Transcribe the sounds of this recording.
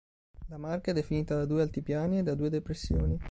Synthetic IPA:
lamarkaɛd̪efiniːt̪ad̪ad̪uːealt̪ipjaːnied̪ːad̪uːed̪epɾesːjoːni

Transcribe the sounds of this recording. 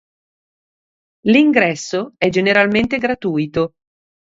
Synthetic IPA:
liŋɡɾɛsːoɛd͡ʒeneɾalment̪eɡɾat̪uːjt̪o

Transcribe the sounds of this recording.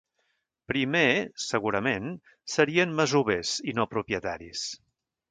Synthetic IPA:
pɾimesəɣuɾəmen | səɾiənməzuβezinopɾupjət̪aɾis

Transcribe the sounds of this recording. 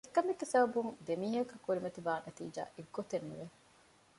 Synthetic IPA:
ekːɐmiɡːesɐbɐbuŋd̪emiːɦɐkɐkːuɾimɐt̪iʋaːnʔɐt̪ḭːd͡ʒa̰ːʔeɡːot̪enːṵʋe

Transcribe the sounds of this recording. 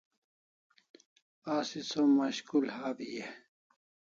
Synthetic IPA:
aːsisomɐɕkulhaːbije

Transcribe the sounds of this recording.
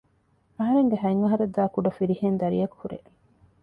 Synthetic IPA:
ɐɦɐɾeŋɡeɦɐiŋːɐɦɐɾed̪ːaːkuɖɐfiɾihend̪ɐɾḭjɐku̥huɾḛ

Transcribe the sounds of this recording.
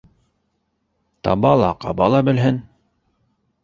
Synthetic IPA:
t̪ɑ̰bɑlˠɑqɑbɑlˠɑbɘ̆lɦɘn

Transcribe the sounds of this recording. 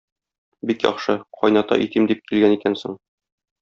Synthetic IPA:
bikjɒ̰χʃɤqʰɒjnɑt̪ɑ̰ʔit̪imd̪ip̚kilɡænikænsoɴ

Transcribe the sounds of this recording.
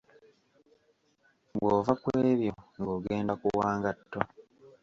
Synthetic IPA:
βwoːvakwe̞ːβjo̞ŋɡoɡe̞ːndakuwaːŋɡatːo

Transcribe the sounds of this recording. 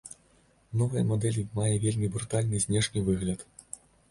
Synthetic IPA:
nɔvɐjɐmɔd̪ɛlʲimajɛvʲelʲmʲibɾut̪alʲnɨzʲnʲɛʂnʲɨvɨɣlʲɐt̪

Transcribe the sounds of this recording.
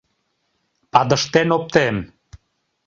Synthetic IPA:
pɑd̪əʃt̪enop̚t̪em

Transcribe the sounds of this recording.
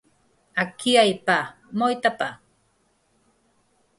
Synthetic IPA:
akiajpa | mojt̪apa

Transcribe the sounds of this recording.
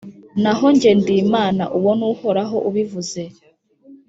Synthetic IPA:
naɦo̞ɲɟe̞ndimaːnaʔuwo̞nuːhoɾaɦo̞ʔuβivuze

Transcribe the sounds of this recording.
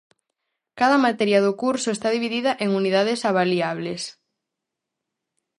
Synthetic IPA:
kaðɐmat̪ɛɾjɐðʊkuɾsʊest̪aðiβiðiðɐʔeŋuniðaðesaβaliaβ̞les

